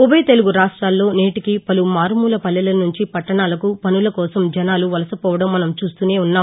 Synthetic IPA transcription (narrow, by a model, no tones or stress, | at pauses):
ubɐjt̪e̞luɡuɾaːʂʈɾaːlːo̞ːneːʈikipɐlumaːɾmuːlɐpɐlːɐlɐnuɲt͡ʃipɐʈːɐɳaːlɐkupɐnulɐkɔːsɐmd͡ʒɐnaːluʋɐlɐsɐpɔːʋɐɽɐmːɐnɐmt͡ʃuːst̪uːne̞ːunːaːm